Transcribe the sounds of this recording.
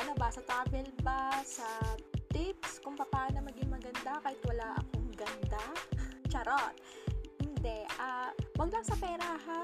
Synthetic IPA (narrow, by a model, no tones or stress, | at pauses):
ʔɐno̞bɐsɐt̪ɾaːbɛlbɐsɐt̪ɪpskʊŋpɐpaːnomɐɡɪŋmɐɡɐnd̪akaːhɪt̪wɐlaʔɐ̰koŋɡɐnd̪at͡ʃɐɾot̪ | hɪnd̪ɛʔawɐɡ̚lɐŋsɐpɛːɾɐɦa